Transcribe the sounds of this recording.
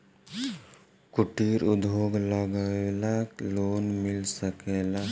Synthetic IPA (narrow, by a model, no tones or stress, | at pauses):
kʊʈiɾʊd̪ʱoːɡləɡəelaloːnmɪlsəkela